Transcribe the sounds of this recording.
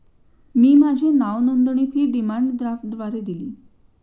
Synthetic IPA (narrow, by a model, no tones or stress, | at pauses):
miːmad͡ʑʱenaʋnənd̪ɳ̃ifʰiːɖimaɳɖd̪ɾaf̚d̪ʋaɾed̪iliː